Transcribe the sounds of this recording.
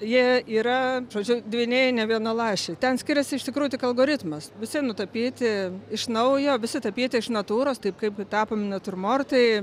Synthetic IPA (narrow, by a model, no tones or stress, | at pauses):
jiɛiːɾɐʒoːd͡ʒʲʊd̪ʲʋʲiːnʲɛɪnʲɛʋʲiɛnolˠɑːʃʲeɪt̪ʲɛnsʲkʲɪɾʲɛsʲɪɪʃt̪ʲɪkɾuːjʊt̪ʲɪkɐlˠɡoːɾʲɪt̪mɐsʋʲɪsʲɪnʊt̪ɐpʲiːt̪ʲɪɪʃnɐʊjoːʋʲɪsʲɪt̪ɐpʲiːt̪ʲɪɪʃnɐt̪uːɾoːst̪ɐɪpkɐɪpɡʲt̪ɑːpoːmʲɪnɐt̪ʊrmoːrt̪ɐɪ